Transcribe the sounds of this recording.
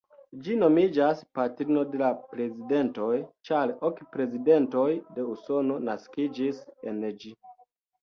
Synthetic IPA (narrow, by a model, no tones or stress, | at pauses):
d͡ʒino̞mid͡ʒaspatɾino̞de̞lapɾe̞zide̞nto̞jt͡ʃalokpɾe̞zide̞nto̞jde̞uso̞no̞naskid͡ʒise̞nd͡ʒi